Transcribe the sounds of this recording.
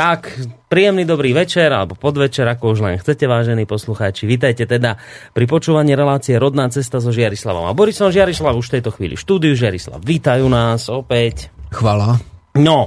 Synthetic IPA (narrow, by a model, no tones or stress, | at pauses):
t̪akpɾiːjɛmnid̪ɔbɾiːʋɛt͡ʃɛɾa̰lɛbɔpɔd̪ʋɛt͡ʃɛɾakɔuʒlɛ̰nxt͡sɛcɛʋaːʒɛniːpɔsluxaːt͡ʃiʋiːt̪̬ajcɛt̪ɛd̪a | pɾip̬ɔt͡ʃuːʋaɲiːɾɛlaːt͡siɛɾɔd̪naːt͡sɛst̪azɔʒɪaɾisla̰ʋɔ̰ma̰bɔɾisɔnʒɪaɾislabuʃft̪ɛjt̪ɔxʋḭːlḭʃt̪uːd̪ijuʒɪaɾisla̰bʋit̪ajuːnaːsɔpɛcxʋalanɔ